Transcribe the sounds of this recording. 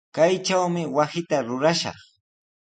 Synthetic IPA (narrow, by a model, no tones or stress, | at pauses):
kajt͡ʃawmɪwasɪt̪aɾʊɾaʃɑ̰χ